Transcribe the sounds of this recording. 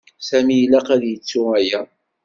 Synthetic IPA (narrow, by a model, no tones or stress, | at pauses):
sæmijəlːæqæðjət͡sːʊæjæ